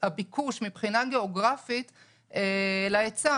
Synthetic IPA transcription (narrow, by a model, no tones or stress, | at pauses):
abikʰuʃmipχinaɡeoɡʁafit̪ | elaet͡sa